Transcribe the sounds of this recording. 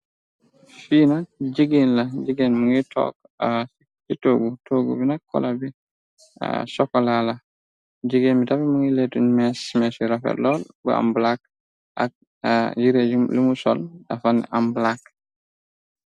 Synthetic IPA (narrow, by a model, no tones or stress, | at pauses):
fiːnad͡ʒiɡinlad͡ʒiɡenmuŋitʰɔ̰k̚ | itoɡutoɡṵbinakːɔ̰labḭ | sɔkːɔlala | d͡ʒiɡenmitabimuŋiletunmɛsmɛsiɾafɛ̰ɾlɔlbṵa̰mblak̚ | ʔak̚ | d͡ʒiɾed͡ʒilimusɔlafanːɛ̰ʔamblak